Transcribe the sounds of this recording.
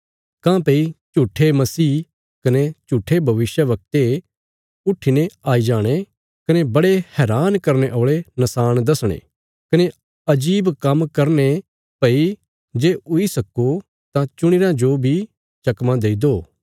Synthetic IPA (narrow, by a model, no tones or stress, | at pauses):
kãːpeit͡ʃuːʈʰːemɐsiː | kɐnet͡ʃuːʈʰebʱɐʋɪsjəʋɐk̚t̪e | ʊʈʰineaːid͡ʒaːɽ̃e | kɐnebɐɽehɛːɾaːnkɐɾneʔoːɭenɐsaːɽ̃d̪ɐsɽ̃ḛ̃ː | kɐne | ɐd͡ʒiːbkɐmkɐɾne | pɐi | d͡ʒeːʊisɐko | t̪ãt͡ʃʊɽ̃ɪɾãd͡ʒobʱi | t͡ʃɐkmãd̪eːid̪oː